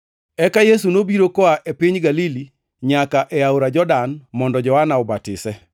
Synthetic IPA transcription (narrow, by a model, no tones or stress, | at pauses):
ɛkajesunobiɾokɔaʔepiɲɡalili | ɲakaʔɛawɾad͡ʒɔdanmɔndɔd͡ʒɔhanaobatɪsɛ